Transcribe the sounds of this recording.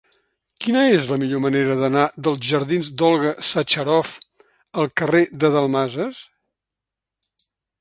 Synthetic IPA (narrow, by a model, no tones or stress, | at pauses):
kinəezləmiʎoməneɾəðənaðəlˠzʒəɾðinzd̪ɔlˠɣəsət͡ʃəɾɔf | əlˠkəreðəðəlˠmazəs